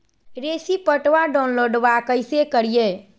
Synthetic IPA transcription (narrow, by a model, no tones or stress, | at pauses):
ɾesipəʈʋaɖanloɖʋakəjsekəɾije